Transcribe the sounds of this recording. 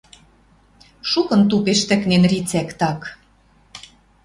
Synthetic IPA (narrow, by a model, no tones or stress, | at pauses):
ʃukɤ̆nt̪upeʃt̪ɘ̆knenrit͡sækt̪ɑk